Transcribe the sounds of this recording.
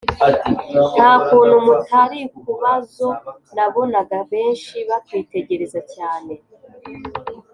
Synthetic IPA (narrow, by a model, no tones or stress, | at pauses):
nhaːkuːn̥humutʰaɾikuβazo̞ | naβo̞naɡaβe̞ːnʃiβatwiːte̞ɟe̞ɾe̞zacaːne̞